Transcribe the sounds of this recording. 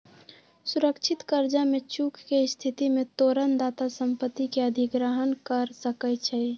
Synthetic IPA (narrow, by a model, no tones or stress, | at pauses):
sʊɾəkt͡ʃʰɪt̪kəɾd͡ʒamẽt͡ʃuːkʰkest̪ʰɪt̪imẽt̪oːɾənd̪aːt̪asəmpət̪ːikeəd̪ʱɪɡɾəɦənkəɾsəkət͡ʃʰai